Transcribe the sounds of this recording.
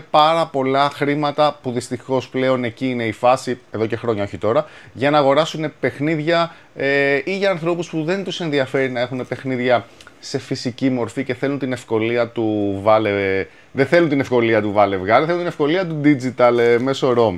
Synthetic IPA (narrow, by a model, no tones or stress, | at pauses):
pɐɾɐpo̞lɐxɾimɐt̪ɐpuðist̪ixo̞sple̞o̞ne̞ciːne̞ifɐsie̞ðo̞ce̞xɾo̞ɲɐo̞çit̪o̞ɾɐʝɐnɐːɣo̞ɾɐsune̞pe̞xniðʝɐ | eʔiʝɐːnθɾo̞puspuðe̞nt̪use̞nðiɐfe̞ɾinɐe̞xune̞pe̞xniðʝɐse̞fisicimo̞ɾfice̞θe̞lunt̪ine̞fko̞liɐt̪uvɐle | ðeθe̞lunt̪inefko̞liɐt̪uvɐle̞vɣɐɾθeunt̪inefko̞liɐt̪ud̪id͡zit̪ɐlme̞so̞ɾo̞mi